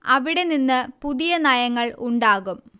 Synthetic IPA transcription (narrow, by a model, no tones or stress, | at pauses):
ɐ̰ʋiɽe̞ninːɨpuðijɐnɐjɐŋːɐɭuɳɖaːɣum